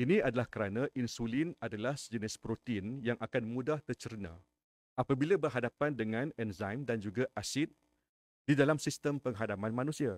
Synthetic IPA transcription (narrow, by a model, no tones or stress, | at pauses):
inĩadalahkəɾanãʔinsulinadalahd͡ʒənɪspɾot̪ːnjaŋʔakanmũdaht̪ərt͡ʃəɾnã̰ | apabilabərɦadapandəŋãnɛnzajmdand͡ʒuɡaʔasɪt̪̚ | d̥idalamsist̪əmpəŋɦadamãnmãnũsia